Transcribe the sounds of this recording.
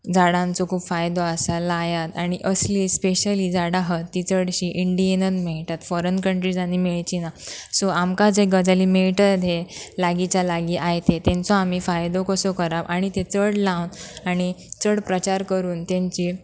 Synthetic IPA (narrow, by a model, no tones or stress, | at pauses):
d͡zaɽãnt͡sɔkʰuːpfajd̪oasalaːjat̪aɽ̃iʔəsliːspeɕəliːd͡zaɽaɦət̪ːit͡səɽɕiʔiɳɖienənmeɭʈ̪at̪fɔɾənkəɳʈɾid͡zanimiɭt͡ɕinasɔamkad͡zeɡəd͡zaliːmeɭʈəd̪ʱelaɡit͡ɕjalaɡiʔajt̪et̪ẽnt͡soam̤ifajd̪okəsokəɾabʔaɽ̃it̪et͡səɽlawnaɽ̃it͡səɽpɾət͡ɕaɾkəɾuːnt̪ẽɲt͡ɕiː